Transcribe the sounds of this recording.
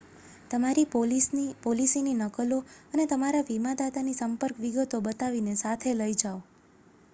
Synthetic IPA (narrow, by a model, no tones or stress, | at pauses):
t̪əmaɾipolisnipolisininəkəloənet̪əmaɾaʋimad̪at̪anisəmpəɾkʋiɡət̪obət̪aʋinesat̪ʰeləid͡ʒaʋo